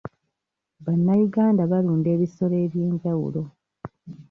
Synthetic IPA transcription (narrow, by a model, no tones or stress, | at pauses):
βanːajuɡaːndaβaluːnde̞ːβiso̞le̞ːβje̞ːɲɟawṵlo̞